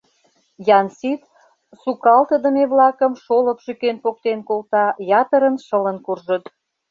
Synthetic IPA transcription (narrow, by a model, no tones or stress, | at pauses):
jɑnsit̪ | sukɑlt̪əd̪əmeβlɑkəmʃolə̆pʃykenpok̚t̪enkolt̪ɑjɑt̪əɾənʃələnkurʒət̪